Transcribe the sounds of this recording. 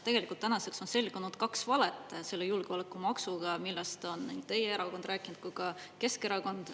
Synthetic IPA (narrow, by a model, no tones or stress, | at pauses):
t̪e̞ɡ̥e̞likult̪ːænɑse̞kso̞nse̞lɡ̥unud̪̥kɑksvɑlet̪ːˑse̞lːejulɡ̥eolekːˑumɑksuɡ̥ɑmilːɑst̪o̞nnḭŋɡ̥̚t̪e̞jeeɾɑko̞nd̪rʔæːkˑːinud̪t̪̚kujɡɑke̞ske̞ɾɑko̞nd̪̥